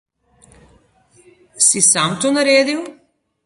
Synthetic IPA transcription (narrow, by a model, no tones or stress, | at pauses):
sisamt̪onaɾeːd̪iw